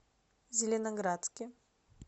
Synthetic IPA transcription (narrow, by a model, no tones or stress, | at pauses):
zʲɪlʲɪnɐɡɾat̪skʲɪ